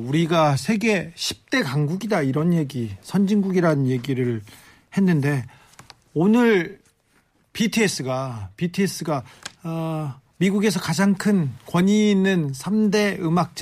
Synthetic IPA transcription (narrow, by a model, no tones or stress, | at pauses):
uɾiɡasʰe̞ɡe̞ɕʰi̥p̚t͈e̞kaŋɡuɡidaiɾʌnje̞ɡisʰʌnd͡ʑiŋɡuɡiɾanɯnje̞ɡiɾɯɭ | he̞nːɯnde̞ | onɯɭ | pitʰɯes͈ɯɡapitʰies͈ɯɡa | miɡuɡe̞s̬ʰʌkad͡ʑaŋkʰɯnkwʌɲiːnːɯnsʰamde̞ɯmak̚t͡ɕ͈